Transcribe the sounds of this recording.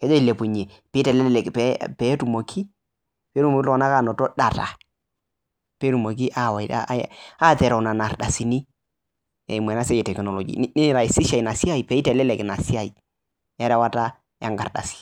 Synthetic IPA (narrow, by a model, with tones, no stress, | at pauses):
kɛ˦d͡ʒɔ˦i˨le˨pu˨ɲe˨ | pe˨˦tɛ˨lɛ˦lɛ˨kpɛpɛ˦tu˨mo˨kʰi˦ | pɛ˨˦tu˦mo˨ki˦lɔ˦wɔ˨na˦ka˦˨nɔ˨tɔ˦ɗa˨ta̰˨ | pɛ˨˦tu˨mo˨k̬i˦ʔa˦˨wa̰˦a˦tɛ˨ɾa˨na˨na˨ɾɗa˨si˨ni˦ | ɛ̰˨i˨mwɛ˨na˦sɛ˦jɛ˨tɛ˨kno˨lo˨ɡḭ˨˦nɪ˦ɾa˨i˨si˦ʃa˨i˨na˨si˦a˦˨i˨pɛ˨˦i˦tɛ˨lɛ˦lɛ˨kna˨si˦a˨i˨ | ɛ˦ɾɛ˦wa˦ta˦ | ɛ˦ŋɡa˨ɾda̰˨si̥˨